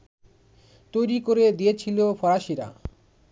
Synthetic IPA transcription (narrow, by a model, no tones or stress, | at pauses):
t̪ojɾikoɾed̪ijet͡ɕʰilofʰɔɾaʃiɾa̰